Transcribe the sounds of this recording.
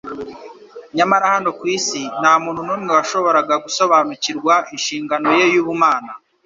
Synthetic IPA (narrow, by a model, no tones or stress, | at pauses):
ɲamaɾahano̞kwiːsin̥haːmuːnhunumŋewaʃo̞βo̞ɾaɡaɡuso̞βaːnuciɾɡwaʔinʃiːŋɡano̞je̞juːβumaːna